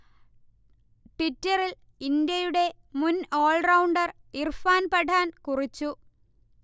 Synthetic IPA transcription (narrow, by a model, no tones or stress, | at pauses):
ʈitːɐril | ind̪jɐjuɽe̞ | muno̞ːɭrɐwɳɖɐr | irfaːnpɐʈʰaːnkurit͡ɕːu